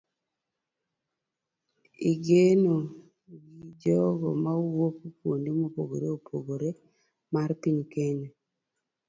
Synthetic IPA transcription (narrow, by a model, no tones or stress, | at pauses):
iɡeno | ɡid͡ʒɔɡɔ̰mawokukwondimopoɡo̰ɾeopʰoɡoɾe | maɾpiɲkene